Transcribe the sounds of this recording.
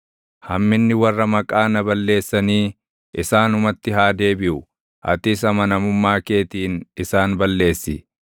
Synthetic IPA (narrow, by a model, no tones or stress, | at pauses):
hɐmːɪnːɪwɐrːɐmɐkʼaːnɐbɐlːe̞ːsːɐniː | ʔɪsaːnʊmɐt̪ːɪɦaːd̪e̞ːbɪʔʊ | ʔɐ̰t̪ɪs̬ɐmɐnɐmʊmːaːke̞ːt̪iːnɪsaːnbɐlːe̞ːsːɪ